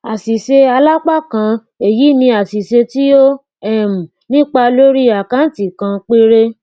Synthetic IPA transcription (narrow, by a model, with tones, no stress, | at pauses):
a˨si˨se˧a˧la˦k͡pa˦˨kã˧ | e˨ji˨˦nĩ˧a˨si˨se˧ti˦o˦ | ɛ˦˨m̩˨ | nĩ˦k͡pa˧lo˦ɾi˦a˨kã˦n̩˦˨ti˨kã˧k͡pe˦ɾe˦